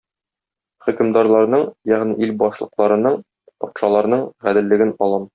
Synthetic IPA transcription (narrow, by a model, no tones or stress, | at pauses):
χɵ̆kɘ̆md̪ɑɾlˠɑɾnɤɴjæʁniʔilbɒʃlˠɤ̆qlˠɑɾɤ̆nɤɴ | pɒt̪ʃɑlˠɑɾnɤɴʁæd̪ɘ̆lːɘ̆ɡɘnɒlˠɤm